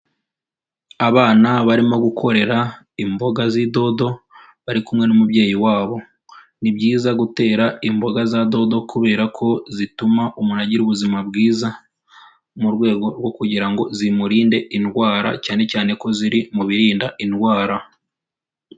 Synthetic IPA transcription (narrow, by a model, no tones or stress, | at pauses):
aβaːnaβaɾimo̞ɡukʰo̞ɾe̞ɾa | imbo̞ɡazido̞do̞ | βaɾikumŋe̞numubɟe̞ːjiwaːβo̞ | nibɟiːzaɡute̞ːɾaimbo̞ɡazado̞do̞kʰuβe̞ːɾakʰo̞zitumaʔumunaɟiɾuβuzimabɡiːza | muɾɡwe̞ːɡo̞ɾwo̞kuɟiɾaŋɡo̞zimuɾiːnde̞inɡwaːɾa̰caːne̞caːne̞ko̞ziɾimuβiɾiːndainɡwaːɾa